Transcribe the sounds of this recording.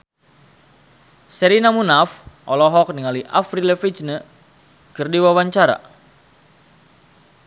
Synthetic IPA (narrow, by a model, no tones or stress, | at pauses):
sɛɾinamunafʔɔlɔɦɔk̚niŋaliʔafriləfit͡ʃnə | kɨrdiwawaɲt͡ʃaɾa̰